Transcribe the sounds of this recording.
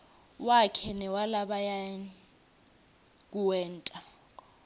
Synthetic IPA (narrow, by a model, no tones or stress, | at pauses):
wakʰɛnɛwalaɓaja | k̬uwɛːntʼa